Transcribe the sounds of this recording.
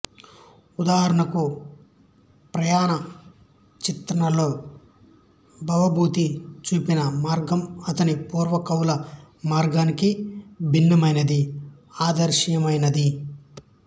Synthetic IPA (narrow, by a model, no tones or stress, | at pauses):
ud̪aːɦɐɾɐɳɐku | pɾɐjaːnɐ | t͡ʃit̪ɾɐɳɐlo̞ː | bʱɐʋɐbʱuːt̪it͡ʃuːpinɐmaːɾɡɐmɐt̪ɐnipuːɾʋɐkɐwlɐ | maːɾɡaːnikibʱinːɐmɐjnɐd̪i | aːd̪ɐɾʃɐjɐmɐjnɐd̪i